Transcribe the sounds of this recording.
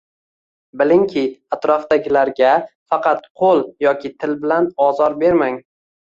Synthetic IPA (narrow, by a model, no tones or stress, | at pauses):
bɪlɪŋkʲʰɪat̪ɾɒfd̪aɡʲɪlaɾɡʲafɑqʰɑt̪qʰolˠjɒkʲɪt̪ʰɪlbɪlanɒzɒɾbe̞ɾmaŋ